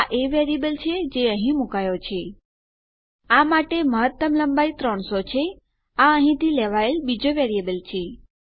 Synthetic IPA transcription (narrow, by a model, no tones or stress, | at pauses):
aʔeʋeɾiebəlt͡ʃʰed͡ʒeəɦĩmukajot͡ʃʰe | amaʈeməɦət̪ːəmləmbait̪ɾəɳsot͡ʃʰe | aəɦĩt̪ileʋaelbid͡ʒoʋeɾijebəlt͡ʃʰe